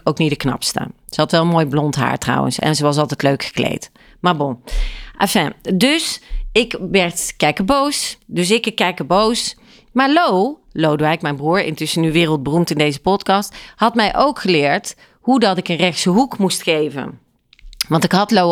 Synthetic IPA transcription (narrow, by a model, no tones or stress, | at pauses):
owknitdəknɑ̰pstə̰ | zəɦɑtʋɛlˠənmoːjblɔntɦa̰ːɹtrɑ̰wə̰nsɛ̰nzəʋɑs̬ɑlˠtɛjtløɥkχə̥klḛjt | maːɹboʔa̰fɛdɵsɪkʋɛɹtkɛkəbowsdɵs̬ɪkəkːɛkəbows | maːɹlow | lowdʋɛjkmɛjnbruːɹɪ̰ntʏsənyʋɪːrəlˠd̚bərumtɪndejzəpɔtkɑsthɑtmɛjʔowkχəlɪːɹt | ɦudɑtɪkənrɛxtsəɦukmustχejvə̰n | ʋɑntɪkɦɑtlow